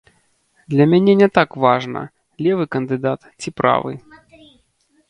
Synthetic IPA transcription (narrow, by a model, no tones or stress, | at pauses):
d̪lʲɐmʲanʲɛnʲɛt̪akvaʐnɐ̰ | lʲɛvɨkɐnd̪ɨd̪at̪t͡sʲipɾa̰vɨ̰